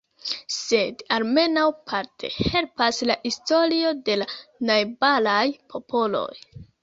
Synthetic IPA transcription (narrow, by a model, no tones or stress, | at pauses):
se̞dalme̞nawpʰaɾtʰe̞̰he̞lpaslaʔisto̞lio̞de̞lanajbalajpʰo̞pʰo̞lo̞̰j